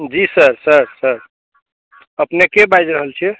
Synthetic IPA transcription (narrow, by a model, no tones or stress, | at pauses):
d͡ʒisəɾsəɾsəɾ | əpnekebajd͡ʒɾəɦəlt͡ʃʰi